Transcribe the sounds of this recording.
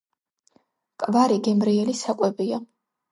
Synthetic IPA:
kʼvaɾiɡɛmɾiɛlisakʼwɛbia

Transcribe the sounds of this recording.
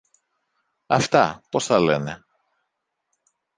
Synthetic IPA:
ɐft̪ɐpo̞sθɐle̞ne

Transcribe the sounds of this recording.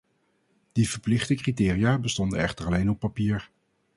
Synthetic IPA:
d̥ivəɹplɪχtəkritɪːrijaːbəstɔndənɛχtəɹɑlejnɔpːapiːɹ

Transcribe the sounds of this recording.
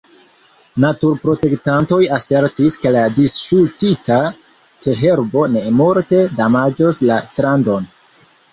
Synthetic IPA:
natuɾpɾo̞te̞ktanto̞jase̞ɾtiske̞ladisʃultita | te̞ɦe̞ɾbo̞ne̞moɾte̞damad͡ʒoslastɾando̞n

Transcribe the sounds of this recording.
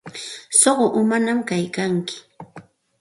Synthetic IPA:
soɢoʔʊmanamkajkaŋkɪ̥

